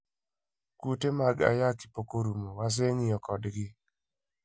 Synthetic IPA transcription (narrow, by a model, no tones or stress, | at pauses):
kutemaɡa̰jaki̥pokoɾumowas̬eŋɪjɔkɔdɡɪ